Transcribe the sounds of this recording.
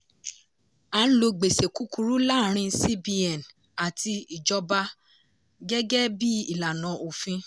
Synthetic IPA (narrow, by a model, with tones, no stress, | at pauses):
ã˨˦lo˧ɡ͡be˨se˨ku˦ku˧ɾu˦la˦˨ɾ̃ĩ˧si˦bi˧ɛ˨n | a˨ti˧i˨d͡ʒɔ˧ba˧ | ɡɛ˦ɡɛ˦bi˦i˦˨la˨nã˨˦ʔo˨fĩ˧